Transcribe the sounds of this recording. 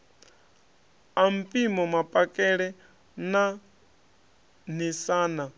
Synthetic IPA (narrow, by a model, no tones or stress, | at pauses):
am̩pʼimɔmapʼakʼɛɺɛ | na | nisaːna